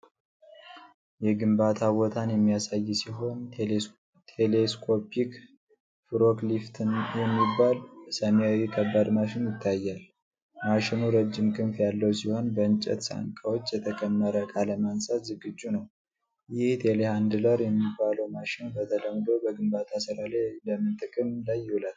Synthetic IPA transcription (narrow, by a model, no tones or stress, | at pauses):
jɛɡɨmbat̪ʰaβɔt̪ʰanjɛmːijasajːsiɦo̞n | t̪ʰeleskʰʼo̞pʰik | fɨɾoklift̪ʰɨnjɛmːibːalsəmjawikʰəbːad̪maʃɪnjɪt̪ʰːajːal | maʃɪnuɾəd͡ʒːɪmkʼɨnfjalːəwsiho̞nbəɨnt͡ʃʼɛ̰t̪sa̰ŋkʼawot͡ʃːjɛt̪ʰəkʼəmːəɾəkʼaləmansʼat̪zɨɡɨd͡ʒːunəw | jɪht̪ʰe̞lehand̪ɨləɾjɛmːibːaləwmaʃɪnbət̪ʰələmːd̪o̞bəɡɨmbat̪ʰasɨɾalajləmːɨnt̪ʼɨkʼɨmlajːɪhulat̪